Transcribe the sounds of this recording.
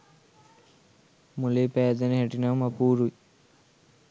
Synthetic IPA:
mulepeːd̪ɐniɦeʈinamɐpuːɾuj

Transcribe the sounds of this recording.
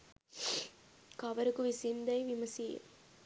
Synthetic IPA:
kɐʋɐɾɯkːɯʋɪsɪnd̪ɐɪʋɪmɐsɪjɐ̰l

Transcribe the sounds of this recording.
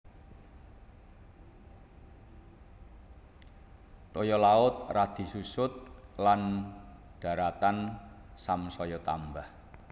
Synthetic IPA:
t̪ɔjɔlaʊt̪̚rad̪̥i̤susʊt̪̚lan | ɖ̥a̤ɾat̪an | samsɔjɔt̪a̰mbah

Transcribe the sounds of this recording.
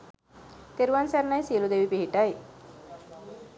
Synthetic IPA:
t̪eɾuʋansæɾnajsiəlud̪eʋipiɦiʈaj

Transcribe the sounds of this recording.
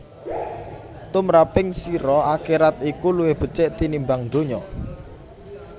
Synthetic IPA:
t̪ʊmɾapɪŋsiɾɔakiɾat̪̚ikuluwɪhb̥ə̤t͡ʃɪʔt̪inimbaŋd̪̥oɲɔ

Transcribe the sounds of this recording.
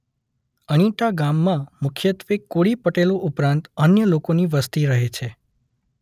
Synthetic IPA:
əɽ̃iʈaɡamːãmʊkʰjət̪ʋekːoɽipəʈeloʔupɾãnt̪ənjəlokoniʋəst̪iɾəɦet͡ʃʰe

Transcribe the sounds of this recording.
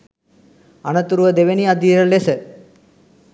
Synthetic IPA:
ɐnɐt̪uɾuʋɐd̪eʋeniɐd̪iɾɐlesə

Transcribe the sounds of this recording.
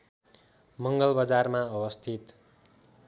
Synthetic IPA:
mʌŋɡʌlbʌd͡zarmaʌwʌst̪ʰit̪

